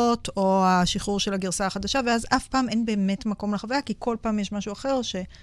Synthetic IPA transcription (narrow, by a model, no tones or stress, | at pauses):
otʰo̞aʃiχuʁʃelaɡiʁsaːχadaʃaveazafpaːme̞nbe̞ːme̞tmako̞mleχavajakikʰo̞lpaːmjeʃmaʃuaχe̞ʁʃe̞